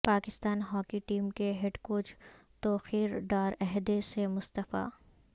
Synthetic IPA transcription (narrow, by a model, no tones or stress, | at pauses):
paːkɪst̪aːnɦɔːkiʈiːmkeɦeɖkoːd͡ʒt̪oːxiːɾɖaːɾɛɦd̪esemʊst̪əfa̰ː